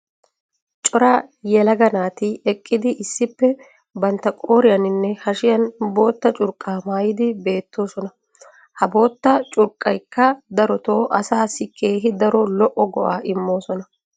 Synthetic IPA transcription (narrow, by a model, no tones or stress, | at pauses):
t͡ʃʼɔɾajɛlɐɡɐnaːt̪ɪɛkʼːɪd̪ɪʔɪsːɪpːɛ | bɐnt̪ːɐkʼo̞ːɾɪjɐnɪnːɛhɐʃɪjɐnbo̞ːt̪ːɐt͡ʃʼʊɾkʼːaːmaːjɪd̪ɪbe̞ːt̪ːo̞ːsɔnɐ | hɐbo̞ːt̪ːɐt͡ʃʼʊɾkʼːɐjkːɐd̪ɐɾɔt̪o̞ːʔɐsaːsɪkʰːe̞ːɦɪd̪ɐɾɔlɔʔɔɡɔʔaːʔɪmːo̞ːsɔnɐ